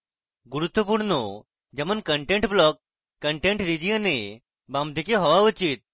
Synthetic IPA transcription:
ɡuɾut̪ːəpuɽnɔ | d͡ʒemənkəɳʈẽɳʈblɔk̚ː | əɳʈẽɳʈɾid͡ʑijəne | bamd̪ʱikeɦɔʋaut͡ʃit̪̚

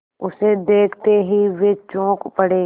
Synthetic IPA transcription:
ʊsed̪eːkʰt̪eɦiʋeːt͡ʃõːkpəɽeː

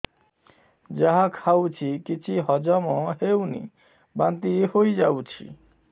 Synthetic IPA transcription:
d͡ʑaɦakʰawt͡ɕʰikit͡ɕʰiɦɔd͡ʑamoɦewnḭ | bant̪ihojd͡ʑawt͡ɕʰḭ

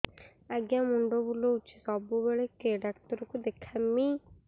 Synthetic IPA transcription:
aɡjãmuɳɖobulout͡ʃe̥sɔbubeɭekeɖaktəɾkod̪ekʰami

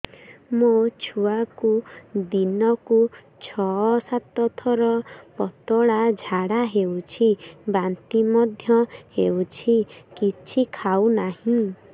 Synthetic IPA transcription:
mot͡ʃʰuakud̪inɔku | t͡ʃʰɔsat̪ɔt̪ʰɔɾɔpɔt̪ɔɭad͡ʒʱaɽaɦewt͡ʃʰibant̪imɔd̪ʱjɔhewt͡ʃʰikit͡ʃʰikʰawnaɦĩ

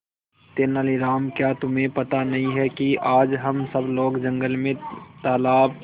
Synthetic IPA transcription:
t̪eːnəliɾaːmkjaːt̪ʊmẽpɐt̪anɐɦĩɦɛkiʔaːd͡ʒɦɐmsɐbloːɡd͡ʒɐ̃ŋɡəlmẽt̪aːlaːb

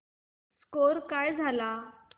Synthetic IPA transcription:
skoɾkajd͡zʱala

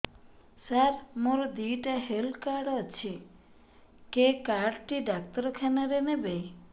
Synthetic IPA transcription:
saɾmoɾɔd̪iʈaɦelkaɾɖɔt͡ʃʰi | kekaɖʈiɖak̚t̪ɔɾɔkʰanaɾenebej

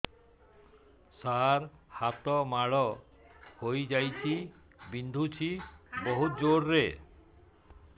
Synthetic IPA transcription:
saɾhat̪ɔmaɭɔ | hojd͡ʒajt͡ʃʰi | bind̪ʱut͡ɕʰibɔɦut̪̚d͡ʒoɽːe

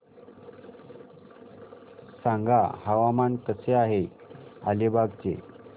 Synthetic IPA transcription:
sãŋɡʱahaʋamankəseaɦealebʱaɡt͡ɕḛ

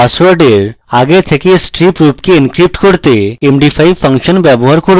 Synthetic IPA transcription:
aswaɾɖeɾaɡet̪ʰekesʈɾipɾupkeinkɾip̚ʈkoɾt̪eemɖifʰajfʰaŋʃonbɛboɦaɾkoɾ

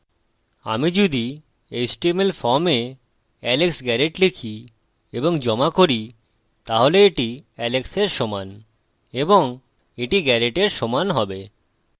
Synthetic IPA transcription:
a̰mid͡ʑod̪i | ejsʈimelfɔɾme | ɛleksɡɛɾeʈlikʰi | eboŋd͡ʑɔmakoɾi | t̪aɦoleeʈiɛlekseɾʃɔman | eboŋ | eʈiɡɛɾeʈeɾʃɔmanɦɔbe

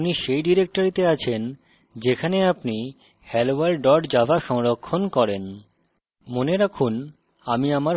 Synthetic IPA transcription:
niʃejɖiɾek̚ʈoɾit̪eat͡ɕʰen | d͡ʑekʰaneapni | hɛlowaɾɖɔɾɖd͡ʑabʱaʃɔŋɾokʰːonkɔɾen | moneɾakʰun | amiamaɾ

